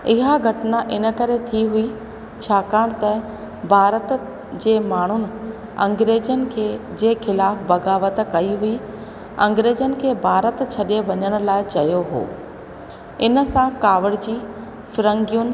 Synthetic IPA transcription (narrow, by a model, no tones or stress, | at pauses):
ɪɦaɡʱɐʈnaʔɪnə̆kɐɾet̪ʰiɦui | t͡ɕʰaːkaːɽ̃t̪ɐ | bʱaːɾət̪ | d͡ʑeːmaːɳ̤ʊnɪ̆ | ɐ̰̃ŋɡɾeːd͡ʑənɪ̆kʰeːd͡ʑeːxɪlaːfbɐɡaːʋət̪kɐiɦui | ɐ̰̃ŋɡɾeːd͡ʑənɪ̆kʰeːbʱaːɾət̪t͡ɕʰɐɗeʋɐɲəɽ̃ʊ̆laːɪt͡ɕɐjoɦo̰ː | ɪnə̆sãkaːʋəɽd͡ʑiː | fɪɾə̃ŋɡijʊnɪ̆